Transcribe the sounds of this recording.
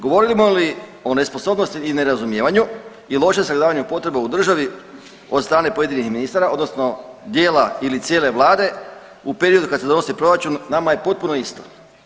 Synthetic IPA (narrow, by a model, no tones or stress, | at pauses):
ɡo̞ʋo̞ɾilimolio̞ne̞sposo̞bnost̪iːne̞ɾazumje̞ːʋaɲu | ilˠo̞ʃemsaɡd̪aːʋaɲupot̪ɾe̞beud̪r̩ʒaʋi | od̪st̪ɾaːne̞po̞je̞d̪inixminist̪aɾao̞d̪nosno̞d̪je̞ːlailit̪sje̞ːle̞ʋlˠaːd̪e̞ | upe̞ɾio̞d̪ukad̪sed̪o̞no̞sipɾo̞ɾat͡ʃunːamaje̞po̞t̪̚puno̞ist̪o̞̥